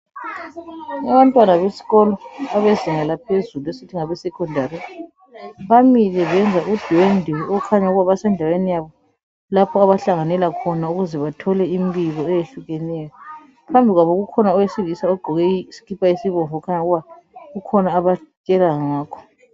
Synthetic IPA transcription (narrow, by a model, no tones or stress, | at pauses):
aβantʼwanaβesi̥ɣɔlɔaβeziŋalapʰezuluesitʰiŋaβɛsɛkʰʼɔndʱaɾi | βamilɛβɛnd͡zʱaʔud̥ʱwendʱɛɔkʰaɲauɣuβaβasɛndʱawenijaβɔ | lapʰɔaβaɬaŋanɛlakʰɔnauɣuzɛβatʰɔlɛimbiɣɔɛjeɬuɣɛnɛjɔ | pʰambʱiɣwaβɔɣukʰɔnaɔjesivisaɔɡ͡ǃʱɔɣɛsi̥kʰipʰʼaisiβɔɱvɔkʰaɲauɣuβa | ɣukʰɔnaːβat͡ʃʼɛlaŋaːkʰɔ̥